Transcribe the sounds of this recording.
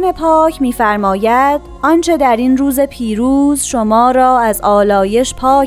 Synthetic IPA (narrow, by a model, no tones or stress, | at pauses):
ne̞pʰɒːcʰmiːfæɾmɒːjæd̪̥ɒnt͡ʃʰe̞d̪æɾinruːze̞pʰiːɾuːzʃomɒːɾɒːæzɒːlɒːje̞ʃpʰɒː